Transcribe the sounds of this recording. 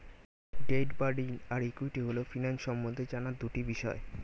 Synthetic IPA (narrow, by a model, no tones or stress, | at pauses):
ʈeʈbaɾɖinaɾikujʈiɦolofinanʃɔmːond̪ʱed͡ʑanad̪uʈibiʃɔe